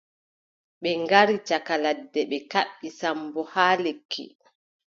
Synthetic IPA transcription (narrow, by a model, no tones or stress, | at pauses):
ɓɛŋɡaɾit͡ʃakaladːɛɓɛkaɓːisambɔhaːlekʰːḭ